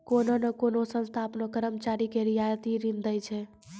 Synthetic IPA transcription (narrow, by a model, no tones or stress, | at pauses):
kononəkonosə̃nst̪ʰapnokəɾəmt͡ʃaɾikeɾijajt̪iɾind̪əjt͡ʃʰɛ